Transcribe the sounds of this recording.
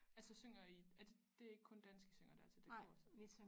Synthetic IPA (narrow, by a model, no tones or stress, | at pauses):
ælsəsøŋ̰ɐiælsəd̥e̝æɐe̝ɡ̥əkʰɔ̽nd̥ænsɡ̥əsøŋ̰ɐd̥æɐt͡sʰe̝ld̥eɡ̰sɒs